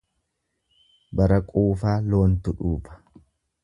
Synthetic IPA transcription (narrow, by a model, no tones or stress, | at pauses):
bɐɾɐkʼuːfaːlo̞ːnt̪ʊᶑuːbɐ̥